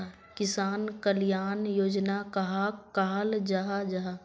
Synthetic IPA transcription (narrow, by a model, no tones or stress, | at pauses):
kɪsaːnkəljaːnjoːd͡ʒnakɐɦakaːld͡ʒaɦad͡ʒaːɦa